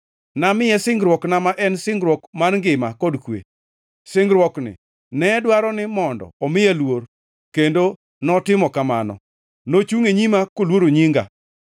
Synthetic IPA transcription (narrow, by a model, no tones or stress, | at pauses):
namɪjɛsɪŋɡɾwɔknamaʔɛnsɪŋɡɾwɔkmarŋɡɪmakɔdkwḛ | sɪŋɡɾwɔknɪ̰ | nɛdwaɾɔnɪmɔndɔ̰ɔmɪjalwor | kendo | nɔtɪmɔkama̰nɔ̰ | not͡ʃuŋeɲimakolwoɾoɲiŋɡa̰